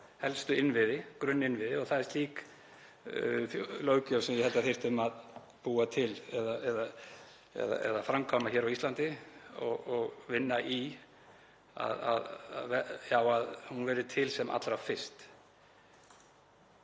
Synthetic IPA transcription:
hɛlst̪ʏɪnːvɪðɪkɾʏnːɪnvɪðɪɔɣθaðɛst̪liːk | θjlœːwcœwsɛmjɛhɛlt̪aθej̥t̪ʏmað | puːat̪ʰɪlɛðaʔɛða | ɛ̰ða̰ɛ̰ðafɾamkʰawnaçɛːɾawist̪lant̪ɪɔ̰ɣɔɣvɪnːaʔi | a̰ða̰ða̰ɛjawaðhunvɛːɾɪt̪ʰɪlsɛmʔa̰t̪lɾavfɪ̥st̪

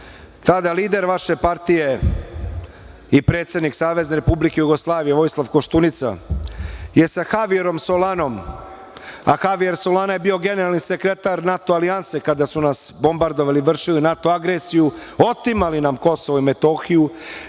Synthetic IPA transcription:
t̪ad̪aliːd̪e̞ɾʋaʃe̞paɾt̪ije̞ | ipɾeːt̪sed̪niksaːʋe̞zne̞ɾe̞publikejuɡo̞slˠaːʋije̞ʋo̞jslˠaʋkoʃt̪unit̪sa̰ | je̞saxaʋieɾo̞msolano̞m | a̰xaʋieɾsolanaje̞bio̞ɡe̞ne̞ɾalˠnise̞kɾe̞t̪aɾnat̪oalianse̞kad̪asunasbo̞mbaɾd̪oʋaliʋr̩ʃilinat̪oaɡɾesijuo̞t̪imalinamko̞soʋoimet̪o̞xiju

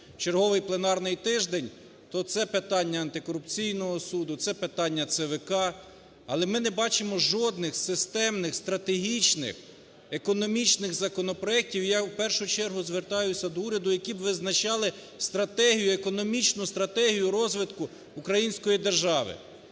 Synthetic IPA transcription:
t͡ʃerɦɔʋɪjplˠenɑrnɪjt̪ɪʒd̪enʲ | t̪ɔt̪sɛpɪt̪ɑnʲːɐːnt̪ɪkɔɾʊpt͡sʲijnɔɦɔsud̪ʊt̪sɛpet̪ɑnʲːɐt̪sɛʋekɑ | ɐlˠɛmɪnɛbɑt͡ʃɪmɔʒɔd̪̚nɪxsɪst̪ɛmnɪxst̪ɾɐt̪eɦʲit͡ʃnɪ̰x | ekɔnɔmʲit͡ʃnɪɣzɐkɔnɔpɾɔɛk̚tʲiwjawpɛrʃʊt͡ʃɛrɦʊzʋert̪ɑjʊsʲɐd̪ɔuɾʲɐd̪ʊjɐkʲibʋɪznɐt͡ʃɑlˠɪ | st̪ɾɐt̪ɛɦʲijʊekɔnɔmʲit͡ʃnʊst̪ɾɐt̪ɛɦʲijʊɾɔzʋɪt̪kʊː | kɾɐjinʲsʲkɔjid̪erʒɑʋɪ̰

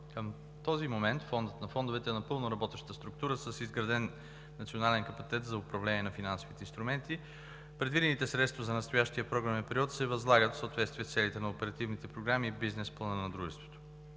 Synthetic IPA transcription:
kəm | t̪ɔzimomɛnt̪fɔnd̪ət̪nɐfɔnd̪ovɛt̪ɛnɐpɤlˠnʊɾɐbɔt̪ɛʃt̪t̪əst̪ɾʊk̚t̪uɾəsəsizɡɾɐd̪ɛnː | ɐt̪sionalɛnkɐpɐt̪ʲt̪ɛt̪zɐʊpɾɐvlɛnʲiɛnɐfinansovit̪ɛinst̪ɾumɛnt̪i | pɾɛd̪vid̪ɛnit̪ɛsɾɛt̪st̪vɐzɐnɐst̪ʊjaʃt̪iəpɾɔɡɾavɛnpɛɾiɔt̪sɛvɐzlˠaɡət̪fsot̪vɛt̪st̪vʲiɛst̪sɛlit̪ɛnɐopɛɾɐt̪ivnit̪ɛpɾoɡɾamibiznɛsplˠɐnənɐd̪ɾuʒɛst̪vo̥t̪o̥

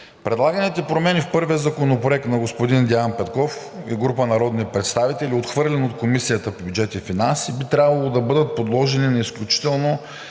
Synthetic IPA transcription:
pɾʔɛd̪lˠaɡənit̪ɛpɾomɛnʲifpɤɾviəzɐkonopɾoɛk̚t̪nɐɡospod̪ind̪ɛanpɛt̪kɔf | iɡɾupənɐɾɔd̪nipɾɛt̪st̪avit̪ɛlʲiot̪xvɤɾlʲɛnot̪̚komisijət̪əpbʲjud͡ʒɛt̪ifinansibit̪ɾʲabvɐlˠod̪ɐbɤd̪ət̪̚pod̪lˠɔʒɛninɛisklʲut͡ʃi̥t̪ɛlˠno

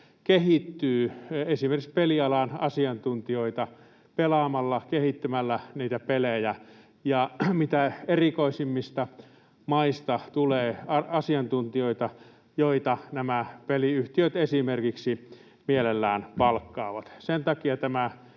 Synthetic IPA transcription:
kehit̪ːyːesimerkikspeliɑlɑnɑsiɑnt̪unt̪ioit̪ɑ | pelɑmɑlːɑkehit̪ːymælːæniːt̪æpelejæ | jɑmit̪æerikoisimːist̪ɑ | mɑist̪ɑt̪uleːɑɑsiɑnt̪unt̪ioit̪ɑ | joit̪ɑnæmæpeliyht̪iøt̪esimerkiksi | mielelːæːnpɑlkːɑːʋɑt̪sent̪ɑkiɑt̪æmæ

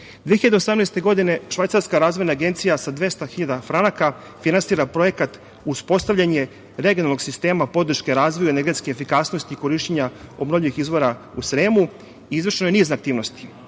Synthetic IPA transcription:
d̪vieiʎad̪eo̞samneːst̪e̞ɡo̞d̪ine̞ʃʋajt̪saɾskaɾaːzʋo̞jnaːɡe̞nt̪sijasad̪ʋe̞st̪axiʎad̪afɾanaka | finansiːɾapɾo̞je̞kat̪ | uspo̞st̪avʎaɲe | ɾe̞ɡʲionalno̞ɡsist̪e̞ːmapo̞d̪ɾ̩ʃkeɾaːzʋojueneɾɡe̞t̪skeefikasno̞st̪iːko̞ɾiʃt͡ɕeɲao̞bnovʎiʋixizʋo̞ɾausɾeːmu | iizʋrʃenojeniːzneakt̪iːʋno̞st̪i̥

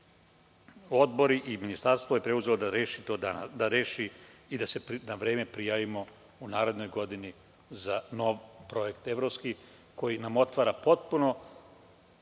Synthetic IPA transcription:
o̞d̪bo̞ɾiʔiminist̪aɾst̪ʋoje̞pɾeuze̞lod̪aɾeːʃit̪oːd̪aad̪aɾe̞ːʃiid̪ase̞pnaʋɾe̞ːmepɾijaːʋimo̞ | unaːɾe̞d̪nojɡo̞d̪ini | zano̞ʋpɾo̞je̞kt̪e̞ʋɾo̞pski | ko̞jinamo̞t̪ʋaːɾapo̞t̪̚puno̞

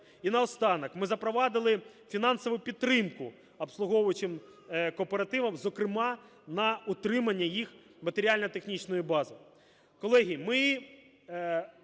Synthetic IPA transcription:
inɐɔst̪ɑnɐkmɪzɐpɾɔʋɑd̪ɪlˠɪ | fʲinɑnsɔʋʊjpʲid̪̚ɾɪmkʊ | ɐpslˠʊɦɔʋʊt͡ʃɪm | kɔpeɾɐt̪ɪʋɐmzɔkɾɪmɑ | nɐʊt̪ɾɪmɐnʲːɐjixmɐt̪eɾʲialʲnɐt̪e̞xnʲit͡ʃnɔjibɑzɐ | kɔlˠɛɦʲimɪ

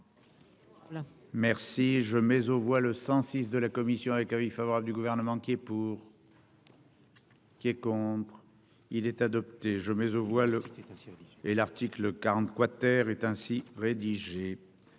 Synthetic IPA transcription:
mɛʁsiʒəmɛzovwaləsɑ̃sis̬d̪əlakɔmisjɔ̃avɛkɛ̃vifavɔʁabld̪yɡuvɛʁnəmɑ̃kɛpuʁ | kʲiɛkɔ̃t̪χ | ilɛt̪ad̪ɔp̚t̪eʒəmɛzovwa | elaʁt̪ikləkaʁɑ̃t̪kwat̪ɛʁɛt̪ɛ̃siʁed̪iʒe

